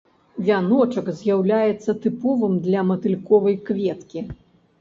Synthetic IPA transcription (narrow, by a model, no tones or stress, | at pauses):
vʲanɔt͡ʂɐkzʲjawlʲajɛt̪sːɐt̪ɨpɔvɨmd̪lʲɐmɐt̪ɨlʲkɔvɐjkvʲɛt̪kʲi